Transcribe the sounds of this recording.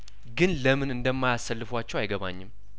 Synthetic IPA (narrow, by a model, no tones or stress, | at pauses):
ɡɨnləmɨnɨnd̪əmːajasːəlːɨfwat͡ʃːɛwajɡəβa̰ɲːɪm